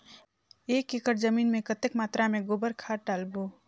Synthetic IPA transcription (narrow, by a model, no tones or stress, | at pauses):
eːkekəɾd͡ʒəmiːnmẽkət̪ekmaːt̪ɾamẽɡobəɾkʰaːɾʈaːlboː